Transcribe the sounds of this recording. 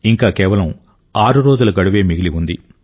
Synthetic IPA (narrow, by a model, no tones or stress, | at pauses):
iŋkaːkɛːʋɐlɐm | aːɾuɾo̞ːd͡ʒulɐɡɐɽuʋe̞ːmiɡiliund̪i